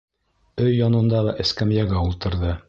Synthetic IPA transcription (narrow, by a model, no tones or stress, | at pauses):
ɵjːɒnɤ̆nd̪ɑʁɑʔɘ̆skæmjæɡæulˠt̪ɤ̆ɾðɤ